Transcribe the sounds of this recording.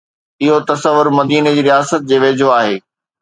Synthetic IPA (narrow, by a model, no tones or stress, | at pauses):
ɪɦot̪ɐsəʋːʊɾmɐd̪iːned͡ʑiːɾijaːsət̪̚d͡ʑeːʋeːd͡ʑʱoaːɦeː